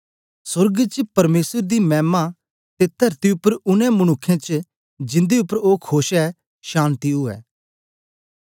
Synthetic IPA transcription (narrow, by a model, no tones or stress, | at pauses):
sʊɾɡt͡ʃpɐɾmeːsəɾd̪imɛːma | t̪et̪ʰɐɾt̪iʊpːəɾʊnɛ̃mɐñʊkʰːẽt͡ʃ | d͡ʒɪ̃nd̪eʊpːəɾoːkʰoːʃɛ | ʃaːnt̪iɦʊɛ̰ː